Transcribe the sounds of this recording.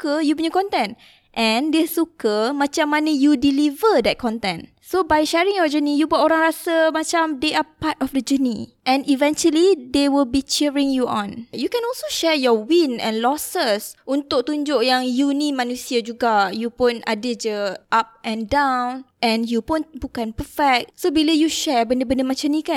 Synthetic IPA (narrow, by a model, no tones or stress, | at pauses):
kəjupũnjəkɔ̃nt̪ɛ̃n | ʔɛ̃ndesukəmãt͡ʃãmːanə̃judilivədɛt̚kʰɔ̃nt̪ɛ̃n | sobajʃɛɹĩŋjɔd͡ʒənijubɔtoɾãŋɾasəmat͡ʃamdeʔapatɔfdəd͡ʒənḭʔɛ̃nivɛ̃nt͡ʃuəlidewilbit͡ʃiɹĩŋjuʔɔ̰̃njukɛ̃nɔlsoʃɛjɔwĩnɛ̰̃nlɔsəsʔunt̪ʊk̚t̪uɲd͡ʒʊʔjaŋjunĩmãnũsiad͡ʒuɡajupʊnadəd͡ʒəʔap̚ʔɛ̃ndãwwnʔɛ̃njupʊnbukãnpəfɛk̚tsobiləjuʃɛɹbəndəbəndəmãt͡ʃamnĩkan